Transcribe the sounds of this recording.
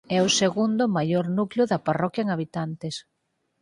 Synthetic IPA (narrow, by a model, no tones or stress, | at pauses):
ɛʊseɣund̪ʊmajoɾnuklʊðɐparɔkjɐeŋaβ̞it̪ant̪es